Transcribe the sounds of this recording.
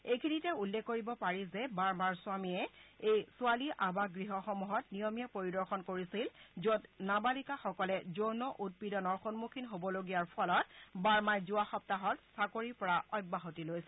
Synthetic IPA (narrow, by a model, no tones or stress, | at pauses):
ekʰinitɛulːɛkːoɹibɔpaɹizɛbaɹmaɹsʊwamiɛejsualiʔabaɡɹiɦɔxɔmuɦɔtnijɔmijapoɹidɔɹxɔnkoɹisilzotnabalikaxɔkɔlɛzoɹnɔʔut̚pidɔnɔɹxɔnmukʰinɦobɔloɡijaɹpʰɔlɔtbaɹmajzuaxɔp̚taɦɔtsakoɹipɔɹaʔɔjbaɦotilojsɛ